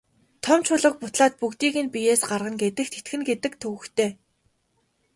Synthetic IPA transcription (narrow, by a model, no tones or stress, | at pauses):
t̪ʰɔmt͡ɕʰʊɮə̆k̚pʊt̪ɮaːt̪̚pukt̪iːɣɘ̆npijeːsɢarʁə̆ŋɡet̪ɘ̆xt̪ʰet̪ɡɘ̆nɡet̪ɘ̆kt̪ʰɵɣɘ̆xt̪ʰeː